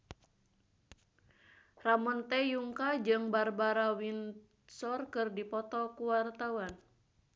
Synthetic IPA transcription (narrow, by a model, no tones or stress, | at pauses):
ramɔnt̪ɛjuŋkad͡ʒɨŋbarbaɾawin | sɔrkɨrdipɔt̪ɔkuwart̪auwan